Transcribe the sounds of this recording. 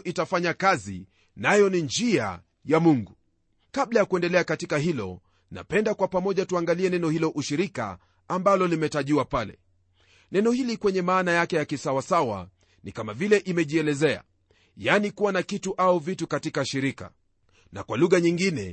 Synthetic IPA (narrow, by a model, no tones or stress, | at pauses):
ʔitafaɲakazḭ | najɔnind͡ʒia̰ | jamuŋɡu | kaɓlajakuɛndɛlɛakatikaɦilɔ̰ | na̰pɛndakwapamɔʄatuaŋɡaliɛnɛnɔhilɔʔuʃiɾika̰ː | mbalɔlimɛtaʄiwapalɛ̰ | nɛnɔhilikwɛɲɛmaːnajakɛjakisawasawa̰ | nikamavilɛʔimɛʄiɛlɛzɛa̰ | janikuwanakituʔauvitukatikaʃiɾika̰ | na̰kwaluɣaɲiŋɡinɛ̰